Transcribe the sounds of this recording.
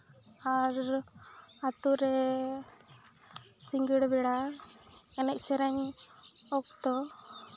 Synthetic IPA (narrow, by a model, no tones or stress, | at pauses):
aɾ | at̪uɾɛ | siŋɡiɽbɛɽa | ɛnɛc̚sɛɾɛɲ | ɔk̚t̪ɔ